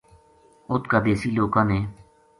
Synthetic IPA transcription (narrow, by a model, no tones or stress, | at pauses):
ʊt̪kaːd̪eːsiːloːkãːnẽː